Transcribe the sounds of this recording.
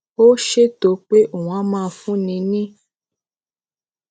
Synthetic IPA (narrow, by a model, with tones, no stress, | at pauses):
o˦ʃe˦to˨˦k͡pe˦ʔo˨w̃ã˨˦mãː˦˨˧fũ˦nĩ˧nĩ˦